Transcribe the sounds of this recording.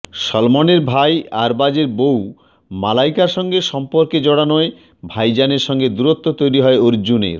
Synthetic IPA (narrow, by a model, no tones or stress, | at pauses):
ʃɔlmoneɾbʱajaɾbad͡ʑeɾbow | malajkaɾʃɔŋɡeʃɔmpoɾked͡ʑɔɽanɔe | bʱajd͡ʑaneɾʃɔŋɡed̪uɾot̪ʰːot̪ojɾiɦɔeoɾd͡ʑunḛɾ